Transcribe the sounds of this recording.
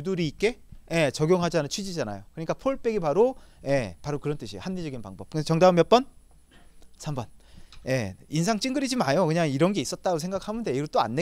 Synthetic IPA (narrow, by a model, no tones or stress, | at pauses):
uduɾiːk͈e̞je̞t͡ɕʌɡjoŋɦad͡ʑanɯnt͡ɕʰɥid͡ʑid͡ʑana̰jokɯɲik͈apʰoɭp͈e̞ɡipaɾoje̞paɾokɯɾʌnt͈ɯɕʰihanːid͡ʑʌɡinpaŋbʌp̚kɯst͡ɕʌŋdaɯmjʌp͈ʌn | sʰambʌnje̞̰insʰaŋt͡ɕ͈iŋɡɯɾid͡ʑimajokɯɲaŋiɾʌnɡeis͈ʌt̚t͈aɡosʰeŋɡakʰhamɯnde̞iɡot͈oa̰nːe